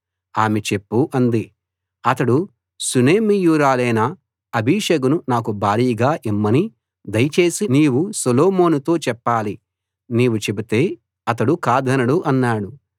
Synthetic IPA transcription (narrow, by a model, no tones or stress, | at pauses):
aːme̞t͡ʃepːuʔɐnd̪i | ɐt̪ɐɽu | suneːmijuːɾaːlɐjnɐː | bʱiʂɐɡununaːk̬ubʱaːɾiːɡaːʔimːɐni | d̪ɐjɐt͡ʃe̞ːsiniːwusoloːmo̞ːnut̪o̞ːt͡ʃɛpːaːli | niːwut͡ʃe̞bit̪e̞ː | ɐt̪̬ɐɽukaːd̪ʱɐnɐɽuʔɐnːaːɽu